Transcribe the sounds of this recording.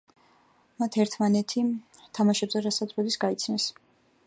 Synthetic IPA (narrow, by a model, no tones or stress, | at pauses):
mat̪ʰɛɾt̪ʰmanɛt̪ʰit̪ʰamaʃɛbzɛɾasazvɛbisɡait̪sʰnɛs